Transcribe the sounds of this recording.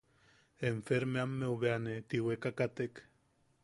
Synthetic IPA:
eɱfeɾmeamːeuβeanet̪iwekakat̪ek

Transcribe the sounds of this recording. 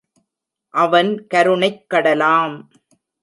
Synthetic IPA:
ʔɐʋɐnkɐɾɯɳɐɪkːɐɽɐlaːm

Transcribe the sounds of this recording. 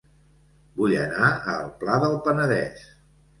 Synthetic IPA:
buʎə̰naə̰lˠplaðəlˠpənəðɛ̰s

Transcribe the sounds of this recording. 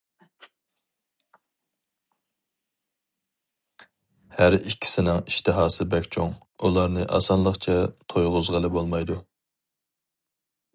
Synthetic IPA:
hæɾikʲʰːi̥sɪnɪŋiʃt̪ʰɨɦɑːsɨbɛkʲt͡ʃʰoŋ | ulˠɑɾnɨʔɑ̰sɑnlˠəχt͡ʃʰɛt̪ʰojʁʊzʁəlˠɪbolˠmɑjd̪u

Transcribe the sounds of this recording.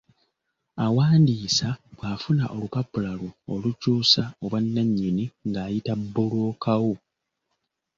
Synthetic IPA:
awaːndiːsaβwaːfunaʔo̞lupapːulaluolucuːsaoβwanːaɲːiniŋɡaːjitabːolo̞ːkʰawo

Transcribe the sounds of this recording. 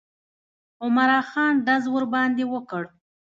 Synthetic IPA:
ʊmaɾɑxɑnɖazwəɾbɑnd̪ewəkəɽ

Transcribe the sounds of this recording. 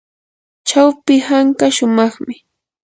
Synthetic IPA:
t͡ʃawpɪhaŋkaʃʊmɑχmɪ

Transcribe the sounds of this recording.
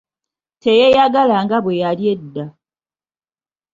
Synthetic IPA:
tejejaɡalaŋɡaβwe̞jalje̞dːa

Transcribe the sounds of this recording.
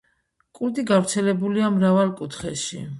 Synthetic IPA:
kʼuɾd̪iɡavɾt̪sʰɛlɛbuliamɾavalˠkʼut̪ʰχɛʃḭ

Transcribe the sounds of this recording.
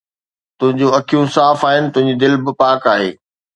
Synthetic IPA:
t̪ʊ̃ɦɪ̃ɲd͡ʑoɐkʰijũsaːfaːɦɪnɪ̆t̪ʊ̃ɦɪ̃ɲd͡ʑid̪ɪlbɪpaːkaːɦḛː

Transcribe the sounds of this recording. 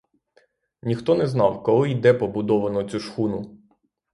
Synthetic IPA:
nʲixt̪ɔnɛznɑwkɔɦɔid̪ɛpɔbʊd̪ɔʋɐnɔt͡sʲuʃxunʊ

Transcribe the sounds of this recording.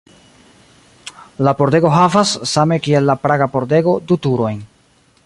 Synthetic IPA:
lapo̞ɾde̞ɡo̞ɦavasːame̞kie̞lːapɾaɡapo̞ɾde̞ɡo̞dutuɾo̞jn

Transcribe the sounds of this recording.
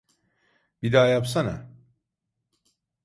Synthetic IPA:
bid̪aːjapsana

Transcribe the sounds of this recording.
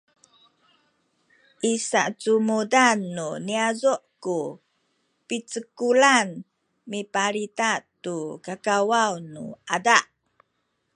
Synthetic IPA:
ʔisaʔt͡sumudanːuniazuʔku | pit͡səkulan | mipaɾitatukakawawnuadaʔ

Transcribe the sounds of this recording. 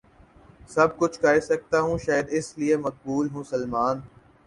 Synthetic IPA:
sɐb̚kʊt͡ʃʰkaːesɐk̚t̪aɦũʃaːjəd̪ɪsliemɐk̚buːlɦũsɐlmaːn

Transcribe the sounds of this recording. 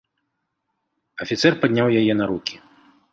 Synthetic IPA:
ɐfʲit̪sɛrpad̪ʲnʲawjajɛnɐɾukʲi̥

